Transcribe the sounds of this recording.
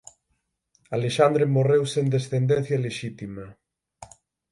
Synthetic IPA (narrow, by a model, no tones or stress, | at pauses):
aleʃand̪ɾemorewsend̪esθend̪en̟θjaleʃit̪ima